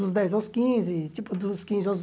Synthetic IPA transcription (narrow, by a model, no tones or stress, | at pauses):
ʊzd̪ɛjzawskĩzɪt͡ʃ̪ipʊd̪ʊskĩzɪaz